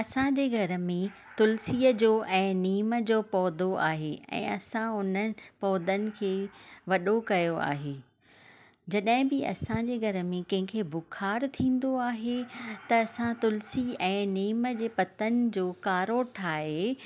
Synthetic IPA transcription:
ɐsãd͡ʑeːɡʱɐɾmẽ | t̪ʊlsiːəd͡ʑoːʔɛ̃ːniːməd͡ʑoːpɔːd̪oʔa̰ːɦeɛ̰̃ːɐsãʊnə̆pɔːd̪ənɪ̆kʰeːʋɐɗokɐjoa̰ːɦeː | d͡ʑɐɗɦɪ̃bɪɐ̰sãd͡ʑeːɡʱɐɾmẽkɐ̃ɦɪ̃kʰeːbʊkʰaːɾt̪ʰĩːn̆d̪oaːɦet̪ɐːsãt̪ʊlsiɛ̃ːniːməd͡ʑeːpɐt̪ənɪ̆d͡ʑoːkaːɾoʈʰaːɦe

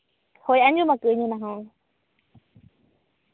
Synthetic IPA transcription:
hojaɲd͡ʒumãkɨɲũnãɦãe

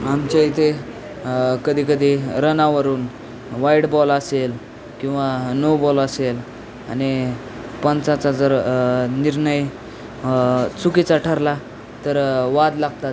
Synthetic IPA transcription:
amt͡ɕait̪ʰe | kəd̪ʱiːkəd̪ʱiɾənaʋəɾuːn | ʋaiɽbɔləsel | kĩw̃ʋanowbɔləsel | a̰ni | pənt͡sat͡sad͡zəɾniɾɳəj | t͡sukit͡saʈʰəɾla | t̪əɾʋad̪laɡt̪a

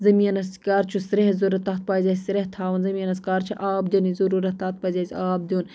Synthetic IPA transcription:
zɐmiɐnɐskaːɾt͡ʃʰusɾeɦzuɾɐt̪ɐt̪̚paːzʲasʲsɾeɦt̪ʰaːwɐnzɐmiɐnɐskaːɾt͡ʃʰiʔaːb̚d̪ʲɐnizuɾuɾɐt̪at̪̚pazʲaːziaːb̚d̪ʲun

